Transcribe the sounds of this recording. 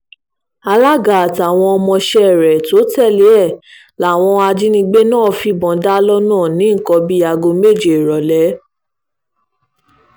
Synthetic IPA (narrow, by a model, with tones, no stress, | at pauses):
a˧la˦ɡa˨a˨ta˨w̃ɔ̃˧ɔ˧mɔ̃˧ʃɛ˧ɛ˨ɾɛ˨to˨˦tɛ˦˨le˨˦ɛ˦˨ | la˨˦˨w̃ɔ̃˧a˧d͡ʒi˦nĩ˧ɡ͡be˦nãː˦˨fi˧bɔ̃˨˦da˦lɔ˦nãː˦˨nĩ˨˦ŋ̩˨kɔ˧bi˦a˧ɡo˧me˦˨d͡ʒe˨e˨ɾɔ˨lɛ˨˦